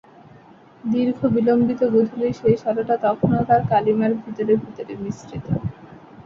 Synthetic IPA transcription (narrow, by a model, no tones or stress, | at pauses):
d̪iɾɡʱobilombit̪oɡod̪ʱoliʃejʃɔɾoʈat̪ɔkʰonot̪aɾkalimaɾbʱit̪oɾebʱit̪oɾemisɾit̪o